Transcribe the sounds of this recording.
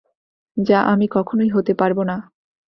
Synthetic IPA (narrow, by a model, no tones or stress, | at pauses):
d͡ʑaʔamikɔkʰonoiɦot̪epaɾbona